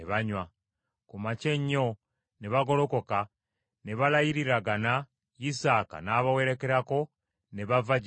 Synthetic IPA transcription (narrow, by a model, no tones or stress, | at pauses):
eβaɲwa | kumace̞ɲːo | neβaɡo̞lo̞koka | neβalajiɾiɾaɡana | jisaːka̰naːβawe̞ɾe̞ke̞ɾako̞ | neβavaɟi